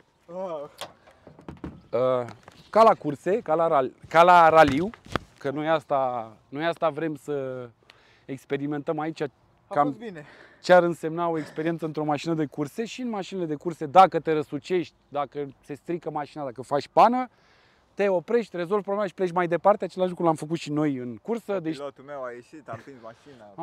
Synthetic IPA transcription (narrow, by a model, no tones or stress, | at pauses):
ə | kalakurse̞kalaɾakalaɾaliwkənojast̪a | nojast̪avɾe̞msə | ekspe̞ɾime̞nt̪əmait͡ʃa | kaminekʲarɨnse̞mnao̞ekspeɾient̪səɨnt̪ɾo̞maʃinəd̪e̞kurse̞ʃinmaʃinile̞d̪e̞kurse̞d̪akət̪e̞ɾəsut͡ʃe̞ʃt̪ʲd̪akəse̞st̪ɾikəmaʃinad̪akəfat͡ʃʲpanə | t̪e̞o̞pɾe̞ʃt̪ʲre̞zo̞lvpɾoblemaʃi̥pleʃ̬ʲmajd̪e̞part̪eat͡ʃe̞laʃlukɾulamfək̬ut̪ʃino̞jɨnkursəd̪et͡ʃeajeʃiain